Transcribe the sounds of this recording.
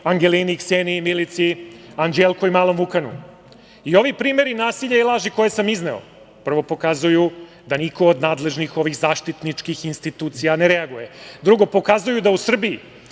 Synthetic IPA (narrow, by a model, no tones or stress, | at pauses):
aŋɡe̞linikseːnimilit̪siaŋd͡ʒelˠkoimaːlˠo̞mvukanṵ | io̞ʋipɾiːme̞ɾinaːsiʎailˠaːʒiko̞jesamizneo̰ | pr̩ʋo̞po̞kazuju | d̪anikoːd̪naːd̪leʒnixo̞ʋiɣzaːʃt̪it̪nit͡ʃkixinst̪it̪uːt̪sijane̞ɾeaɡujed̪ɾuɡo̞po̞kazujud̪ausr̩biː